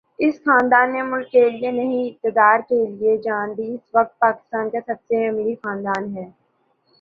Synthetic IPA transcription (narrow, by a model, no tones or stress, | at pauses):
ɪsxaːnd̪aːnːemʊlkːelɪenɐɦĩɪp̚t̪ɪd̪aːɾkelied͡ʒaːnd̪iɪsʋɐk̚t̪̚paːkɪ̥st̪aːnkasɐbseɐmlixaːnd̪aːnɦɛː